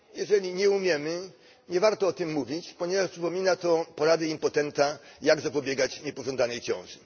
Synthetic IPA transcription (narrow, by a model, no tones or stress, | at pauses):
jɛʐɛlʲiɲɛumʲjɛmɘ | ɲɛvaɾt̪ɔɔt̪ɘmːuvʲit͡ɕpɔɲɛvaʂpʂɘpɔmʲinat̪ɔpɔɾad̪ɛimpɔt̪ɛnt̪ajaɡzapɔbʲjɛɡat͡ɕɲɛpɔʐɔnd̪anɛjt͡ɕɔ̰̃w̃ʐɘ